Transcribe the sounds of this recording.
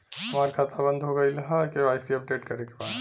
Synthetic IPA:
ɦɐmaːɾkʰat̪ʰabə̃nd̪ʱɦoɡəilaɦakeaːɪsiɐp̚ʈeʈkɐɾekebaːd̪

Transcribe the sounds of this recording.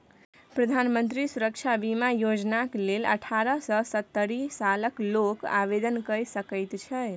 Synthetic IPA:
pɾəd̪ʱanmənt̪ɾisuɾək̚t͡ʃʰabimajod͡ʒnaklelə̰ʈʰaɾəsəsət̪ːəɾisaləkloka̰bed̪ənkəɾjsəkəjt̪t͡ʃʰɛ

